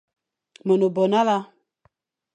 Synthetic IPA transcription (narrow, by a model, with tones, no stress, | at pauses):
mɔ˨no˨bɔ˨na˦la˦